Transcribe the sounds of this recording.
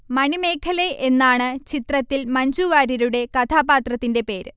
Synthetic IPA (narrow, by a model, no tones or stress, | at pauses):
mɐɳime̞ːkʰɐleʔenːaːɳɨt͡ɕit̪rɐt̪ːilmɐɲd͡ʑuːʋaːɾɐɾuɽe̞kɐt̪ʰaːbaːt̪rɐt̪ːinde̞pe̞ːɾɨ